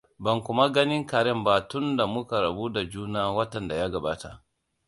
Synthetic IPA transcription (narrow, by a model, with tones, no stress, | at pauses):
bɐ˨ŋkʷʊ˦ma˦ɡɐ˦nɪ˦ŋkaː˨ɽɛ˦mbaː˨tʊ˦nda˨mʊ˦ka˨ɾɐ˨bu˦da˨d͡ʒuː˦naː˦wɐ˦tɐ˨nda˨jaː˦ɡɐ˨baː˦ta˨ʔ